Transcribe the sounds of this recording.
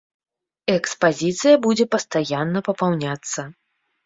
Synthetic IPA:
ɛkspazʲit̪sɨjɐbud͡zʲɛpɐst̪ajanːɐpɐpawnʲat̪sːɐ

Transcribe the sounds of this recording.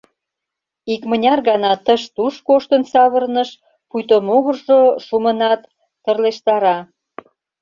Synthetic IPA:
ikmənʲɑrɣɑnɑt̪əʃt̪uʃkoʃt̪ənsɑβərnəʃ | pujt̪omoɣərʒoʃumə̆nɑt̪ː | ərleʃt̪ɑɾɑ

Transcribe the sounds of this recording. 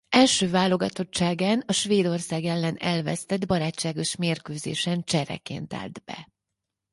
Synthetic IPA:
ɛlʃøːvaːlo̞ɡɒt̪o̞tt͡ʃaːɡaːnɒʃʋeːd̪o̞rsaːɡɛlːɛnɛlvɛ̰st̪ɛd̪bɒɾaːt͡ʃːaːɡo̞ʃmeːrkøːzḛːʃɛnt͡ʃɛɾɛ̰kḛːnt̪a̰ːld̪bɛ̰

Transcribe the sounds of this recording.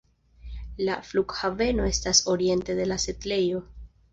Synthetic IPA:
lafluɡhave̞no̞e̞staso̞ɾie̞nte̞d̪e̞lase̞tle̞jo̞

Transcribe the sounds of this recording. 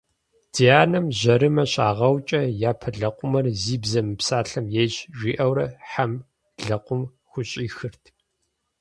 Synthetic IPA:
d̥iaːnɐmʑɐɾɨmɐɕaːʁɐwt͡ʃʼɐjaːpʰɐɮɐqʷʊmɐrziːbzɐmɨpsaːɬɐmjejɕʒʷiːʔɐwɾɐħam | ɮɐqʷʊm | xʷʊɕʼiːxɨrtʰ

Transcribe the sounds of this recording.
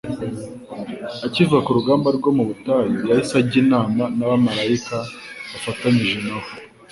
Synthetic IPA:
acivuɡakuɾuɡaːmbaɾɡo̞muβutaːjijahisaɟiːnaːmanaβamaɾaikaβafataɲiʒenaho

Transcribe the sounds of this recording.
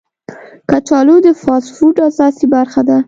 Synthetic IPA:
kat͡ʃɑlod̪əfɑsfuʈasɑsibaɾxad̪a

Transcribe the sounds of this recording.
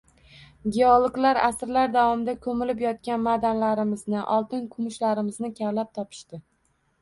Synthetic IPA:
ɡʲeɒolˠklaɾasɾlaɾd̪avɒmɪd̪akʰɵmɪlɪpjɒt̪̚kʲanmad̪anlaɾɪmɪznɪʔɒlˠt̪ɪnkʰʊmʊʃlaɾɪmɪznɪkʲʰavlap̚t̪ʰɒpʰɪ̥ʃt̪ɪ

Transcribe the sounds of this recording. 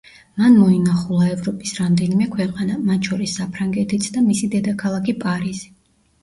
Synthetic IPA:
manmɔinaχulˠaɛvɾɔpʼisɾamd̪ɛnimɛkʰwɛqʼanamat̪ʰt͡ʃʰɔɾisːapʰɾaŋɡɛt̪ʰit̪sʰd̪amisid̪ɛd̪akʰalˠakʰipʼaɾizi

